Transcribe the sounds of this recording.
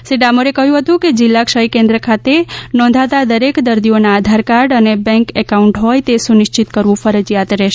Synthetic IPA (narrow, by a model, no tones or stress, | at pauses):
siɖamoɾekəɦjũɦət̪ũked͡ʒɪlːakʃəjkẽnd̪ɾəkʰat̪enɔ̃nd̪ʱat̪ad̪əɾekd̪əɾd̪ionaːd̪ʱaɾkaɾɖənebɛ̃ŋkɛkauɳʈɦojt̪esunɪʃt͡ʃit̪kəɾʋũfəɾəd͡ʒjat̪ɾɛʃe